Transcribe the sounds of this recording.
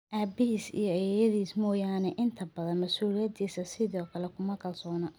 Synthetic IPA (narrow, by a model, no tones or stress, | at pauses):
ʔaːbɪɦiːsḭjɞɛjɐðiːsmɔːjaːnɛʔɪnt̪ʰɐbɐðɐnmɐsuːlɪjɐd̪iːsɐsɪðɔːkʰɐlɛkʰʊmɐkɐlsɔːnɐ